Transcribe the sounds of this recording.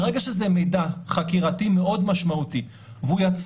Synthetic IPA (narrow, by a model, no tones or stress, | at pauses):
ʁeɡaʃezemejdaχakiʁatime̞ʔo̞dmaʃmauti | vujat͡s